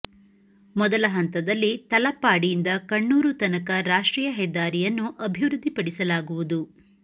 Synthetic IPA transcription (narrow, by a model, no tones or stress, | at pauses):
mɔd̪ɐlɐɦɐnt̪ɐd̪ɐlːit̪ɐlɐpːaːɽijind̪ɐkɐɳːuːɾut̪ɐnɐkɐɾaːʂʈɾiːjɐɦɛd̪ːaːɾijɐnːuʔɐbʱiʋɾud̪ʱːipɐɽisɐlaːɡuʋud̪u